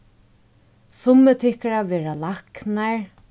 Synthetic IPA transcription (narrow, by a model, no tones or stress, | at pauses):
sʊmət̪ʰɪhkaɹaʋɛːɹalaknaɹ